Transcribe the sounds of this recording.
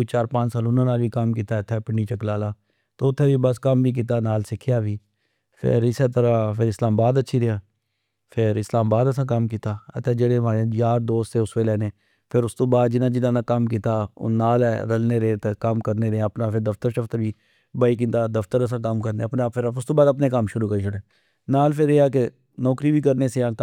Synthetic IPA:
it͡ʃaːɾpãːt͡ʃsaːlʊnãːnaːlbiːkəmkiːt̪aːət̪ʰːɛːpɪɳɖiːt͡ʃəklaːlaː | t̪oːʊt̪ʰːɛːʋiːbəskəmbiːk̬iːt̪̬aːnaːlsɪkʰɪjaːʋiː | pʰɪ̰ɾɪsɛt̪əɾaːpʰɪɾɪslaːmbaːd̪ətːʃʰiːɾeãː | pʰɪɾɪslaːmbaːd̪əsãːkəmkiːt̪aːət̪ʰːɛːd͡ʒeːɽeːmaːɾejaːɾd̪oːst̪eːʊsʋeːlɛːneː | pʰɪɾʊst̪õːbaːd̪d͡ʒɪnãːd͡ʒɪnãːnaːkəmkiːt̪a̰ːnaːlɛɾəlneːɾet̪ekəmkəɾneːɾeəpnaːpʰɪɾd̪əft̪əɾʃəft̪əɾbiː | baːikĩnt̪aːd̪əft̪əɾəs̬ãːkəmkəɾneːəpnːpʰɪɾʊst̪oːbaːd̪əpneːkəmʃʊɾuːkəɾiːt͡ʃʰʊɽeː | naːlpʰɪɾeaːk̬e | nɔːkɾiːbiːkəɾneːseãː

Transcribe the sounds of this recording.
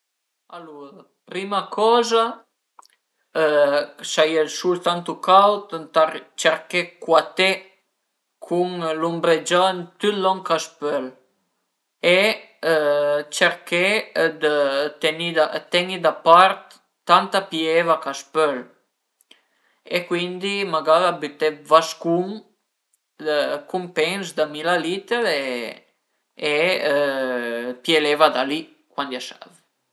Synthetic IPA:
aluɾ | pɾimakʰɔza | sajɛlsult̪ant̪ukawt̪t̪at͡ʃɛɾkɛkwat̪e | kʰuŋlumbɾed͡ʒɔnt̪yt̪lɔŋkaspøl | e | t͡ʃɛɾked̪ət̪ɛnid̪at̪ɛnid̪apaɾt̪ː | ant̪apjɛvakaspœl | ekwind̪imaɡaɾabyt̪ɛvaskum | əkumpɛnsd̪amilalit̪əɾe | e | pjɛlɛvad̪ali | kwand̪jaʃa̰v

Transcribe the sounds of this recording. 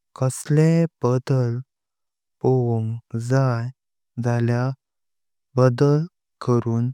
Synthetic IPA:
kəslebəd̪əl | poŋɡd͡zaj | d͡zalja | bəd̪əl | kəɾuːn

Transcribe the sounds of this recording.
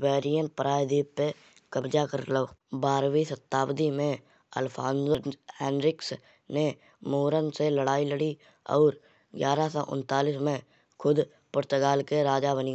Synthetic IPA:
bɛːɾijən̚pəɾaːjd̪iːppe | kəbd͡ʒakəɾloːbaːɾʋisət̪ːaːbd̪imẽ | ə̰lpʰa̰ːnzəhɛ̃ːnɾɪks | ne | moːɾənseləɽaːiləɽi | ɔ̰ːɾ | ɡjaːɾasɔʔʊ̰̃nt̪aːliːsmẽ | kʰʊd̪ | pʊɾt̪əɡaːlkeɾaːd͡ʒabəni

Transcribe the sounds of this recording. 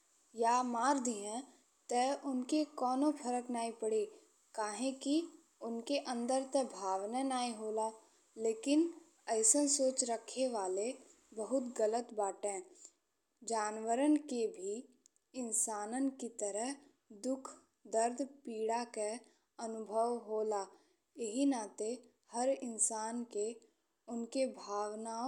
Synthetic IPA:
jaːmaːɾd̪iɦɛ̃ | t̪ɛʔʊnkekɔːnopʰəɾəknaːipəɽe | kaːɦẽki | ʊnkeʔə̃nd̪əɾt̪ɛbʱaːʋnenaːiɦoːlaː | leːkɪn | əɪsənsoːt͡ʃɾəkʰeʋaːle | bəɦʊt̪ɡələt̪baːʈẽː | d͡ʒaːnʋəɾənkebʱi | ɪnsaːnənkit̪əɾəɦ | d̪ʊkʰ | d̪əɾd̪ʱpiːɽake | ənʊbʱəʋɦoːla | jəɦinat̪e | həɾɪnsaːnke | ʊnkebʱaːʋna

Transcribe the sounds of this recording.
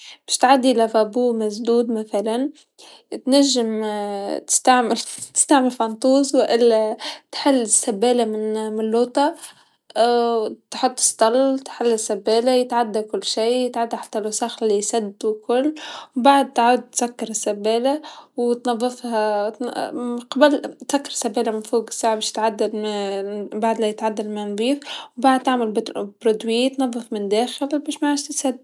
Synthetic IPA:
b̥ḁʃt̪ʕad̪ːilafabuːmasd̪uːd̪maθalan | t̪naʒːɪmt̪ɪ̥st̪aʕmɪlt̪ɪ̥st̪aʕmɪlfɑnt̪ˤuːzwɪʔɪlːat̪ħɪlːɪsːabːeːlamɪnmɪnloːt̪ˤɑ | t̪ħʊt̪ˤːɨ̥st̪ɑlt̪ħɪlːɪsːabːeːlajɪt̪ʕad̪ːakʊlːʃiːjɪt̪ʕad̪ːaħḁt̪ːalʊsaxlːisad̪ːkʊlːbaʕad̪̚t̪ʕaːd̪̚t̪sakːɑɾˤɪsːabːeːlawt̪nɑðˤːɨfhat̪qɑbalt̪sakːɑɾˤsːabːeːlamɪnfoːɡɪ̥sːaʕbeːʃj̥t̪ʕad̪ːal | baʕd̪lajɪt̪ʕad̪ːalmand̪ˤiːfwbaʕd̪̚t̪aʕmalbbɾʊd̪wiːt̪nɑðˤːɨfmɪnd̪æːxɪlbeːʃmaʕaːʒt̪ɪt̪sad̪ː

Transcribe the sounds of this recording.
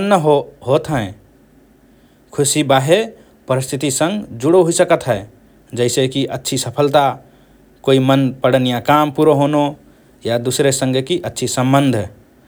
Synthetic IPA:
nːəɦɦot̪ɦəẽ | kʰusibaɦe | pəɾist̪ʰit̪isə̃ŋɡd͡ʒuɽoɦoisəkət̪ɦəẽ | d͡ʒəɪsekiʔətːʃʰisəpʰəlt̪a | koimənpəɽənijakampuɾoɦono | jad̪usɾesə̃ŋɡekiʔətːʃʰisə̃mbənd̪ʱ

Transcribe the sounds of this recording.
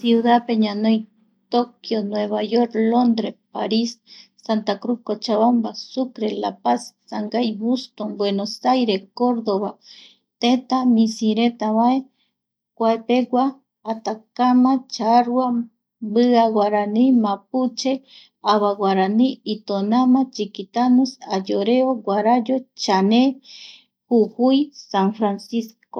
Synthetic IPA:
siuðapeɲanoj | t̪okjonweβajoɾlond̪ɾepaɾisː | ant̪akɾukot͡ʃaβambasukɾelapasːaŋɡajbust̪ombwenosajɾekoɾd̪oβa | t̪et̪amisiɾet̪aβae | kʷaepewʷaː | t̪akamat͡ʃaɾua | bɨawaɾanimap̚ut͡ʃe | aβawaɾaniit̪onamat͡ʃikit̪anusajoɾeowʷaɾajot͡ʃane | huhujsaŋfɾansisko

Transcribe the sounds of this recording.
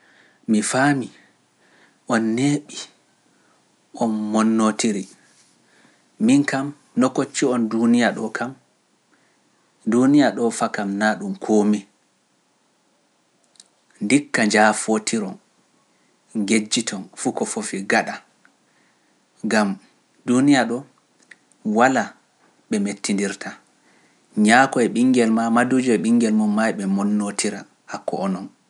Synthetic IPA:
mifami | ʔɔnːeɓi | ʔɔnmɔnːotiɾi | minkam | nɔkot͡ʃːiɔndunijaɗɔkʰam | dunijaɗɔfakamnaːɗumkʰoːmi | ndikːaɲd͡ʒafotʰiɾɔn | ŋɡed͡ʒːitʰɔnfukɔfofiɡaɗa | ŋɡam | dunijaɗɔ | wala | ɓɛmetːindiɾtʰa | ɲakɔɛɓiŋɡɛlmamadud͡ʒɔɛɓiŋɡɛlmɔmajɓɛmɔnːotʰiɾa | hakːɔʔːnɔn

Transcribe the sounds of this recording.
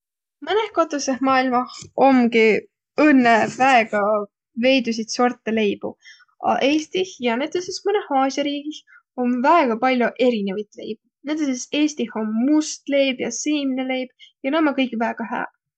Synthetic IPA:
mɯne̞hkot̪ːˑusehmɑːilmɑho̞mɡi | ɤnːevæeɡ̥ɑ | ve̞jd̪us̬it̪sort̪ːˑele̞jb̥ṵ | ɑ̰ʔe̞ːst̪ihjɑnet̪osesmɯnehɑːsʲɑɾiːɡ̥ih | o̞mvæeɡ̥ɑpɑlʲjoʔe̞ɾine̞vɑjt̪ˑle̞jb̥̚ | net̪ːˑesese̞ːst̪iho̞mːust̪le̞jbjɑsɯjminele̞jb̥jɑnemːɑkɤjkvæeɡ̥ɑɦæ̰ː

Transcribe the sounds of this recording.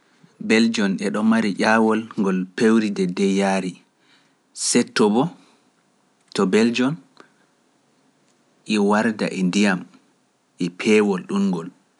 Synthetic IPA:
bɛld͡ʒɔnɛɗɔmaɾiʔaːwɔlŋɡɔlpewɾidɛdɛjaːɾi | sɛtːɔbɔ | tɔbɛld͡ʒɔn | ʔɛwaɾda̰ʔɛndijam | ʔɛpʰɛːwɔlɗumŋɡɔl

